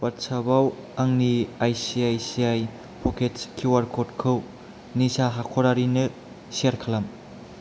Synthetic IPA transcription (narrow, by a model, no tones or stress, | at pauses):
pɐɾsʰabawaŋniajsiajsiaj | pʰɔkʰet͡ʃkʰiwaɾkʰot̚kʰɯw | nisaɦakʰoɾaɾinɯ | seɾkʰɐlam